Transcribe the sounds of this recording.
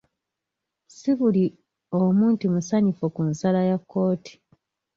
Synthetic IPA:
siβuli | omuːntimusaɲifokunsalajakʰːo̞ːti̥

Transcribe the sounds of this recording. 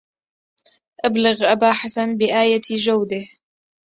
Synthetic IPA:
ʔablɪɣʔabaːħasanbɪʔaːjad͡ʒawd̪ɪh

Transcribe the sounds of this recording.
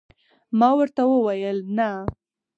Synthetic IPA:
mɑwəɾt̪awəwajəlna

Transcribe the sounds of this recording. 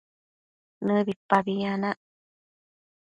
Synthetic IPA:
nɨbipːabianaʔ

